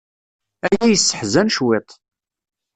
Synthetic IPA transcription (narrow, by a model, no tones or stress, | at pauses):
æjæjəsːə̥ħzænʃwet̪ˤ